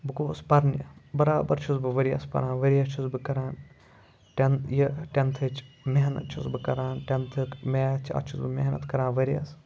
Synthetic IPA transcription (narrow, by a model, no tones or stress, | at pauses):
bɨkoːspɐɾnjɐ̰bɐɾaːbɐɾt͡ʃʰusbɨʋɐɾijɐ̰spɐ̰ɾãːnʋɐɾijɐt͡ʃʰusbɨkɐɾãːn | ʈenjɐʈʲent̪ʰɨt͡ʃʰ | meɦnɐ̰t̪̚t͡ʃʰusbɨkɐɾãːnʈʲɐnt̪ʰɨkmeːt͡ʃʰɐ̰t͡ʃʰusbɨmeɦnɐ̰t̪kɐɾãːnʋɐɾijɐ̰s